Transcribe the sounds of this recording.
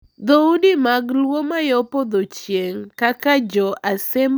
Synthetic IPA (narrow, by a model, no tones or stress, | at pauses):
d̪oudimaɡlwomajɔpod̪ot͡ʃjeŋkakad͡ʒɔasem